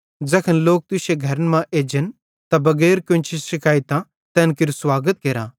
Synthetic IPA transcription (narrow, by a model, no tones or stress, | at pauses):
d͡zɐkʰənloːk̚t̪ʊseɡʱɐɾənmãʔeːd͡ʒən | t̪abɐɡɛːɾkʊ̃nt͡ʃʰisɪkaːit̪ã | t̪ɛ̃ːnkɪɾuswaːɡət̪̚keːɾãː